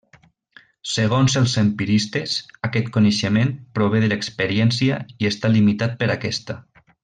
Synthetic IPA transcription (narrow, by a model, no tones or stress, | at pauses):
seɣ̞onzəlˠzempiɾist̪esakɛt̪koneʃəmenpɾoβeðəlekspəɾiɛnsiaiest̪alimit̪at̪̚pəɾakɛst̪a